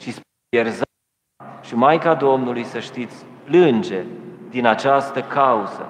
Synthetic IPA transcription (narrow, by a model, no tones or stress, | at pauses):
ʃisp | erz | ʃimajkad̪o̞mnulujsəʃt̪it̪sʲplɨnd͡ʒe̞d̪inat͡ʃast̪əkauzə̰